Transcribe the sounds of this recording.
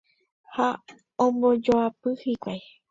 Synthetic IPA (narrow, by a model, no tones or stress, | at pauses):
ha | õmbod͡ʒoapɨhikʷaj